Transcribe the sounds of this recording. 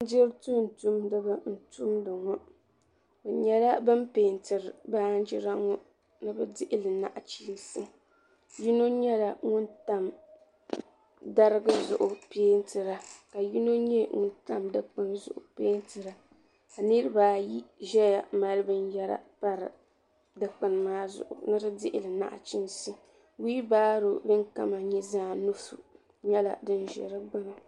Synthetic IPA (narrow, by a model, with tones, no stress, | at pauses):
d͡ʒɪ˦ɾtu˦n̩˨tu˦mdɨ˦bɨ˦n̩˨tu˦mdɨ˨ŋɔ˦ | bɨ˨ɲɛ˦la˦bɨ˦mpeː˨ntɨ˨ɾɨ˨baː˦n˦d͡ʒɪ˦ɾa˦ŋɔ˦ | nɨ˦bɨ˦dɪ˦ʔɪ˦lɨ˨na̰˨ʔt͡ʃiː˦n˦sɨ˦ | ji˦no˦ɲɛ˦la˨ŋʊ˦nta˦m | da˦ɾɨ˦ɡɨ˦zʊ̰˨ʔʊ˨peː˦n˦tɨ˨ɾa˨ka˨ji˦no˦ɲɛ˦ŋʊ̰˦nta˦mda˦k͡pɨ˦nzʊ̰˨ʔʊ̰˨peː˦n˦tɨ˨ɾa˨ | ka˨nɨ˦ɾɨ˦baː˨ji˦ʒɛ˦ja˨ma˨lɨ˦bɨ˦n˦jɛ˦ɾa̰˨pa˦ɾɨ̰˨ | da˦k͡pɨ˨n˨maː˦zʊ̰˨ʔʊ̰˨nɨ˦ɾɨ˦dɪ˦ʔɪ˦lɨ˨na̰˦˨ʔt͡ʃɪ˦nsɨ˦ | wiː˦baː˦ɾʊ˨bɨ˦ŋka̰˦ma˨ɲɛ˦zaː˦˨nu˦sṵ˨ | ɲɛ˦la̰˨dɨ˦n˦ʒɛ̰˨ɾɨ˦ɡ͡ba˦na˨